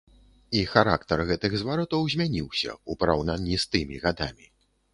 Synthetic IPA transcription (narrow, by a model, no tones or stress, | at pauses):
ixaɾa̰kt̪ɐrɣɛt̪ɨɣzvaɾɔt̪ɐwzʲmʲanʲiwsʲɐ̰upɐɾawnanʲːist̪ɨmʲiɣad̪amʲi